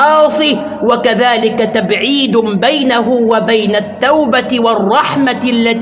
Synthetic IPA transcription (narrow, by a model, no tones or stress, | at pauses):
ɑːsˤɨ | wakaðaːlɪkat̪abʕiːd̪bajnaɦʊwabajnat̪ːawbawɑrˤːɑħmalːa